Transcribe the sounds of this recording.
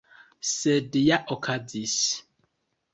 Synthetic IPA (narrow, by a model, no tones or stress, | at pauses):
sɛdijaʔɔkʰad͡zis